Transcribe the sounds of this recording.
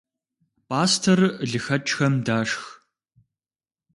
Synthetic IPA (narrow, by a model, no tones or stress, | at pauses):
pʰʼaːstʰɐrɮɨxɐt͡ʃʼxɐmdaːʂx